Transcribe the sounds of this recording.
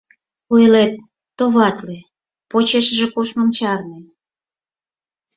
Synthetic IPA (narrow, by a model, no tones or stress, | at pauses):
ojlet̪̚ː | oβɑt̪le | pot͡ɕeʃəʒĕkoʃmomt͡ɕɑrne